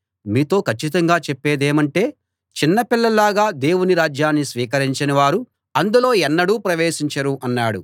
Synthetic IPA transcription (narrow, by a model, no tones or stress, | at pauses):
miːt̪o̞ːkʰɐt͡ʃːit̪ɐŋɡaːt͡ʃɛpːe̞ːd̪eːmɐɳʈe̞ː | t͡ʃinːɐpilːɐlaːɡaːd̪e̞ːwuniɾaːd͡ʒjaːnːisʋiːkɐɾiɲt͡ʃɐnɐʋaːɾu | ɐnd̪ulo̞ːɛnːɐɽuːpɾɐʋeːʃiɲt͡ʃɐɾuʔɐnːaːɽṵ